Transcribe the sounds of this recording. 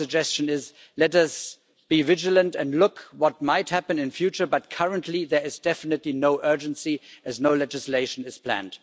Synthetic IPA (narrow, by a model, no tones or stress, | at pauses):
ɨd͡ʒɛst͡ʃɨ̃nɪz | lɛɾʌs | b̥ivɪd͡ʒələ̃ntɨ̃ndlʊkwʌt̚maɪt̚hæpɨ̃nɨ̃nfjʉt͡ʃə˞bʌt̚kʰʌɹə̃ntʰliðə˞ɨzdɛfɨnɨtˡlinoʊʔɜ˞d͡ʒɨ̃nsiɨznoʊlɛd͡ʒɨsleɪʃn̩ɨz̥pʰl̥æ̰̃nd̥